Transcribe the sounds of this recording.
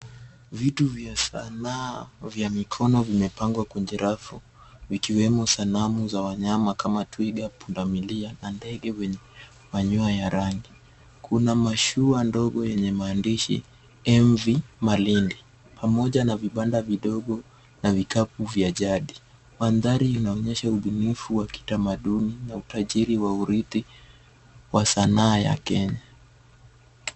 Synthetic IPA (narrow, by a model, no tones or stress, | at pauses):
vituvjasa̰navjamikʰɔnɔvimɛpaŋɡwakwɛnd͡ʒɛɾʔafu | vikiwɛmusanamuzawaɲamakʰamatwiɡapundamilianandɛɠɛwɛɲɛ | maɲuajaɾaŋɡi | kʰunamaʃuandɔɠɔjɛɲɛmaːndiʃḭ | ɛɱvimalindi | pʰamɔʄanaviɓandaviɗɔɠɔ | navikapuvjaʄaɗi | wanðaɾiunaɔɲɛʃauɓunifuwaki̥tamaɗuninautaʄiɾiwauɾit̪i | wasanaːja̰kɛɲa